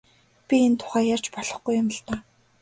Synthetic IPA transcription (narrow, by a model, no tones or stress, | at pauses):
pʲient̪ʰʊ̥χæːjar̥t͡ɕpɔɮɞ̆χɡujʊmə̆ɬt̪aː